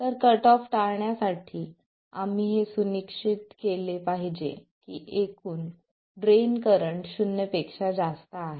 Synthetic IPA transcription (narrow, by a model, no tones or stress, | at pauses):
t̪əɾkəʈɔfʈaɭɳjasaʈʰiː | am̤iːɦesunikʂit̪̚kelepaɦid͡ʑḛ | kiːʔekuːn | ɖɾenkəɾəɳʈɕunjəpekʂad͡zast̪aːɦe